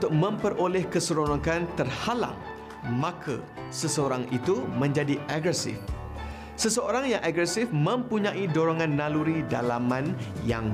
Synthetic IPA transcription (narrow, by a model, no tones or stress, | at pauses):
ut̪ʊk̚mə̃mpərolɛhkəsəɾonakant̪ərhala̰ŋ | mãkʰa̰ | səsəoɾaŋit̪umə̃ɲd͡ʒadiʔaɡɾɛsɪ̰f | səsəoɾaŋjaŋʔaɡɾɛsɪfmə̃mpuɲãʔidoɾoŋãnːaluɾida̰lamãnja̰ŋ